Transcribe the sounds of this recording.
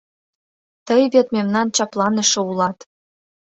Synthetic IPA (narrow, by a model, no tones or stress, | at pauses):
t̪əjβet̪memnɑnt͡ɕɑplˠɑnə̆ʃɤ̆ulɑt̪